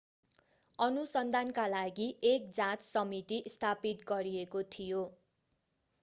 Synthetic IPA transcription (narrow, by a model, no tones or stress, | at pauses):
ʌnusʌnd̪ʱankalaɡiʔek̚d͡zãt͡ssʌmit̪iʔst̪ʰapit̪̚ɡʌɾiekot̪ʰijo